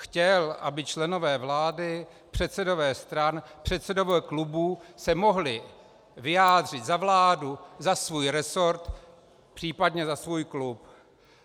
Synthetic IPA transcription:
xcɛlʔa̰bɪt͡ʃlɛno̞vɛːvlaːdɪ | pr̝̥ɛt̪sɛdovɛːst̪ɾanpr̥ɛt̪sɛdovoklubusɛmo̞ɦlɪ | vɪjaːd̪r̝ɪt̪zavlaːduzasvuːjɾɛsoɾt̪ | pr̥iːpadɲɛzasvuːjklup

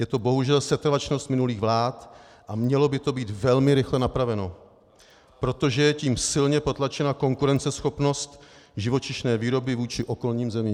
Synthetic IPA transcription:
jɛt̪o̞bo̞ɦuʒɛlsɛt̪ɾvat͡ʃno̞st̪mɪnuliːɣvlaːt̪ | ʔamɲɛlo̞bɪt̪o̞biːt̪vɛlmɪɾɪxlɛnapɾavɛno̞ | pɾo̞t̪o̞ʒɛjɛciːmsɪlɲɛpo̞t̪lat͡ʃɛnako̞ŋkuɾɛnt͡sɛsxo̞pno̞st̪ʒɪvo̞t͡ʃɪʃnɛːviːɾo̞bɪvuːt͡ʃɪʔo̞ko̞lɲiːmzɛmiː

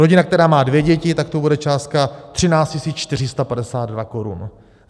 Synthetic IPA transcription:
ɾoɟɪnakt̪ɛɾaːmaːdvjɛɟɛcɪt̪ak̚t̪obudɛt͡ʃaːst̪̚kat̪r̝̥ɪnaːt͡scisiːt͡st͡ʃt̪ɪr̝ɪst̪apadɛsaːd̪dvako̞ɾṵn

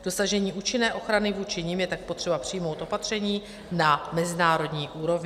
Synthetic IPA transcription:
d̥o̞saʒɛɲiːʔuːt͡ʃɪnɛːʔo̞xɾanɪvuːt͡ʃɪɲɪmjɛt̪ak̚po̞t̪r̥ɛbapr̝̥ɪjmo̞wt̪ʔo̞pat̪r̝̥ɛɲiː | namɛzɪnaːɾo̞dɲiːʔuːɾo̞vɲɪ

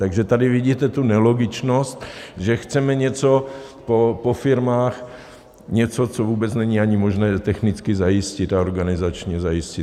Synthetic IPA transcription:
t̪aɡʒɛt̪adɪviɟiːt̪ɛt̪unɛloɡɪt͡ʃnost̪ʒɛxt͡sɛmɛɲɛt͡sopopofɪɾmaːx | ɲɛt͡sot͡sovuːbɛt͡snɛɲiːaɲɪmoʒnɛːt̪ɛxnɪt͡skɪzajɪscɪt̪aoɾɡanɪzat͡ʃɲɛzajɪscɪ

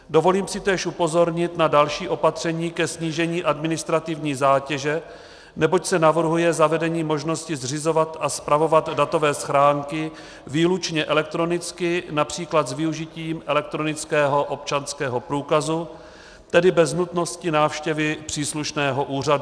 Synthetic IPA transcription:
do̞vo̞liːmsɪt̪ɛːʃʔupo̞zo̞ɾɲɪt̪nadalʃiːʔo̞pat̪r̝̥ɛɲiːkɛsɲiːʒɛɲiːʔadmɪnɪst̪ɾat̪ɪvɲiːzaːcɛʒɛ | nɛbo̞csɛnavr̩ɦujɛzavɛdɛɲiːmo̞ʒno̞scɪzr̝ɪzo̞vat̪aspɾavo̞vat̪dat̪o̞vɛːsxɾaːŋkɪ | viːlut͡ʃɲɛʔɛlɛk̚t̪ɾo̞nɪt͡skɪnapr̝̥iːklat̪zvɪuʒɪciːmʔɛlɛk̚t̪ɾo̞nɪt͡skɛːɦo̞ʔo̞p̚t͡ʃanskɛːɦo̞pɾuːkazu | t̪ɛdɪbɛznut̪no̞scɪnaːfʃcɛvɪpr̥iːsluʃnɛːɦo̞ʔuːr̝adu

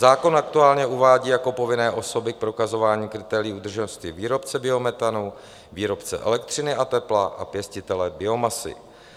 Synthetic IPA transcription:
zaːko̞nakt̪uaːlɲɛuvaːɟiːjako̞po̞vɪnɛːʔo̞so̞bɪk̚pɾo̞kazo̞vaːɲiːkɾɪt̪ɛːɾɪiːud̪r̩ʒɛnost̪viviːɾo̞pt͡sɛbɪo̞mɛt̪anu | viːɾo̞pt͡sɛ̰ʔɛ̰lɛk̚t̪r̝̥ɪnɪʔat̪ɛplaʔa̰pjɛscɪt̪ɛlɛbɪo̞masɪ̰

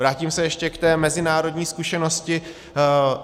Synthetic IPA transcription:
vɾaːciːmsɛjɛʃcɛkt̪ɛːmɛzɪnaːɾo̞dɲiːskuʃɛno̞scɪ

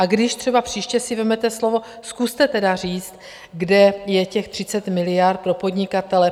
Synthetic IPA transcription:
ʔaɡdɪʃt̪r̝̥ɛbapr̝̥iːʃcɛsɪvɛmɛt̪ɛslo̞vo̞ | skust̪ɛt̪ɛdar̝iːt͡st̪ | ɡdɛjɛcɛxt̪r̝̥ɪt͡sɛt̪mɪlɪjart̪̚pɾo̞po̞dɲɪkat̪ɛlɛ

